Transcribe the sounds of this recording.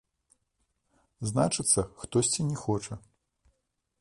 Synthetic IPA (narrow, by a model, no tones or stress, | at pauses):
znat͡ʂɨt̪sːɐxt̪ɔsʲt͡sʲinʲɛxɔt͡ʂɐ